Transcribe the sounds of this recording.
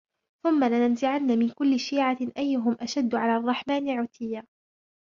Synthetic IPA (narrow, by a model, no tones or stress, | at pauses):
θʊmːalɪnanzɪʕanːamɪnkʊlːɪʃiːʕaʔajːʊɦʊmʔaʃad̪ːʊʕalaːrˤːɑħmaːnɪʕʊt̪ʰɪjːaː